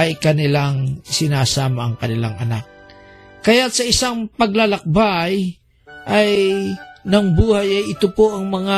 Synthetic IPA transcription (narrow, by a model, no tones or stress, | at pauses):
ɐjkɐnɪlaŋsɪnaːsaːmɐʔɐŋkɐnɪlaŋɐnak̚ | kːɐjat̪̚sɐʔɪsaŋpɐɡ̚lalɐk̚baj | ʔɐj | nɐŋbuːhɐjɐjʔɪt̪opoʔɐŋmɐŋa